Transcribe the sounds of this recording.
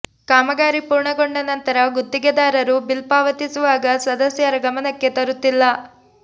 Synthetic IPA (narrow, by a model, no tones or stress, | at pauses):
kaːmɐɡaːɾipuːɾɳɐɡoɳɖɐnɐnt̪ɐɾɐɡud̪ːiɡɐd̪aːɾɐɾubilpaːʋɐt̪isuʋaːɡɐsɐd̪ɐsjɐɾɐɡɐmɐnɐkːe̞t̪ɐɾut̪ːilːɐ